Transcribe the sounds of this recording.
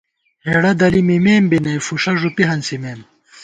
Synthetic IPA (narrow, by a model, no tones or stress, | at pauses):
heɽɐd̪ɐlimimeːmbinɐjfuʂɐʐupiɦɐnsimeːm